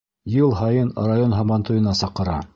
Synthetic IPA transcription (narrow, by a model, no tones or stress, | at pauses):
jɤlˠɦɑjɤnrajonɦɑmɑnt̪ŭjɤ̆nɑsɑqːɤ̆ɾɑ̰